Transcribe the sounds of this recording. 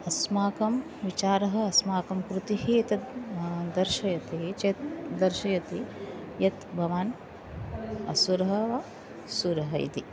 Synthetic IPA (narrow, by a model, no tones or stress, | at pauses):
ɐsmaːkɐm | ʋit͡ʃaːɾɐɦɐ̆ɐsmaːkɐmkɾut̪iɦit̪ɐ | d̪ɐɾʃɐjɐt̪it͡ʃeːt̪d̪ɐɾʃɐjɐt̪i | jɐt̪bʱɐʋaːn | ɐ̰suɾɐɦɐʋɐ | suːɾɐɦɐjḭt̪i